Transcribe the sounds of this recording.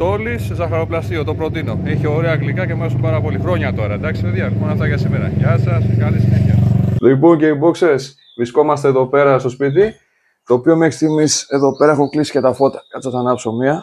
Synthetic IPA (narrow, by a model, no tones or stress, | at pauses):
t̪o̞liszɐxɐɾo̞plɐsiot̪o̞pɾo̞t̪inoiçeoɾeɐːɣlikɐcemɐɾesumpɐɾɐpo̞lixɾo̞ɲɐt̪o̞ɾɐd̪ɐksipeðjɐonɐft̪ɐʝɐsimeɾɐ̰ʝɐsɐskɐlisineçɐlipoŋce̞ibokse̞s | vɾisko̞mɐst̪eðo̞pe̞ɾɐst̪o̞spit̪̬i | t̪o̞ːpio̞mexɾi̥st̪imise̞ðo̞pe̞ɾɐexuklisi̥cet̪ɐfo̞t̪ɐ̥kɐt̪ɐt̪ɐnɐpso̞miɐ